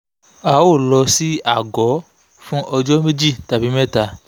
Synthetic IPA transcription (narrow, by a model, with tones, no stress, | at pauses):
a˨˦wo˦˨lɔ˧si˦a˦˨ɡɔ˨˦ | fũ˦ʔɔ˧d͡ʒɔ˦me˦d͡ʒi˦˨ta˨bi˨˦mɛ˦ta˨